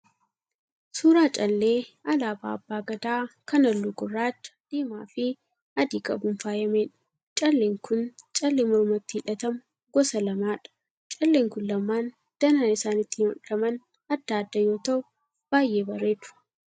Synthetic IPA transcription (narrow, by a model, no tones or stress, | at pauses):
suːɾaːt͡ʃʼɐlːeːɐlaːba̰ːɐbːaːɡɐd̪aːkɐnɐlːuːɡʊrːaːt͡ʃːɐ̥d̪̥iːmaːfɪ | ɐd̪iːkʼɐbʊnfaːjɐmeːᶑɐ̥ | t͡ʃʼɐlːeːŋkʰʊnt͡ʃʼɐlːeːmɔɾmɐt̪ːiːᶑɐt̪ɐmʊ | ɡɔsɐlɐmaːᶑɐ̥ | t͡ʃʼɐlːeːŋkʊnlɐmːaːn | d̪̥ɐnaːnɪsaːnɪt̪ːiːnɔ̰ᶑlɐmɐn | ɐd̪ːaːɐd̪ːɐjo̞ːt̪ɐʔʊ | b̥aːje̞ːbɐrːeːt̪ʊ̥